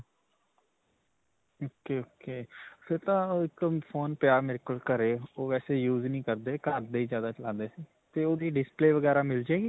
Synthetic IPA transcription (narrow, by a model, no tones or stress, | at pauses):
oːkeːoːkeːfeɾt̪ãːɪõːpʰoːnpjaːmɪɾkəlkəɾeːoːʋɛːseːjuːznĩːkəɾd̪eːkəɾd̪eiːzjaːd̪aːt͡ʃəlãːnd̪eːsiː | t̪eːoːd̪iːɖɪspleːʋəɡɛːɾaːmɪld͡ʒaeːɡiː